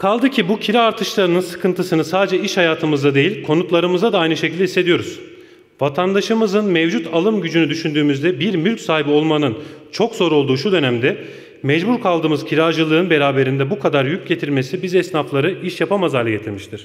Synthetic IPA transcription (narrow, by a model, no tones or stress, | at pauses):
kʰalˠd̪ɯcʰibucʰiɾaːɾt̪ʰɯʃlˠaɾɯnɯnsɯ̥kʰɯnt̪ʰɯsɯnɯsaːd̪ed͡ʒɛiʃhajaːt̪ʰɯmɯzd̪ad̪e̞jilʲkʰo̞nut̪lˠaɾɯmɯzd̪ad̪aajnɯʃecʰilʲd̪ɛisːe̞d̪ijo̞ɾuz̥ | vat̪ʰand̪aʃɯmɯzɯnmɛvd͡ʒut̪ʰalˠɯmɟyd͡ʒynyd̪yʃynd̪yːmyzd̪ɛbiɾmylʲcʲsaːɦibio̞lˠmanɯnt͡ʃʰo̞kz̥o̞ɾo̞lˠd̪uːʃud̪ø̞næmd̪ɛ | mɛd͡ʒbuɾkʰalˠd̪ɯːmɯzcʰiɾaːʒɯlˠɯːɯnbe̞ɾaːbe̞ɾind̪ɛbukʰad̪aɾjyc̚ɟe̞t̪ʰiɾme̞sibizɛsnaflˠaɾɯiʃjapamazaɾlʲɛɟe̞t̪ʰiɾmiʃt̪ʰiɾ̥